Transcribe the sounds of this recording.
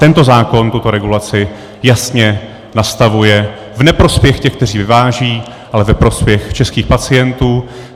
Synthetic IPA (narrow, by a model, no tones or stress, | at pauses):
t̪ɛnt̪o̞zaːko̞nt̪ut̪o̞ɾɛɡulat͡sɪ | jasɲɛ | nast̪avujɛ | vnɛpɾo̞spjɛxcɛxk̚t̪ɛr̝iːvɪvaːʒiː | ʔalɛvɛpɾo̞spjɛxt͡ʃɛskiːxpat͡sɪjɛnt̪uː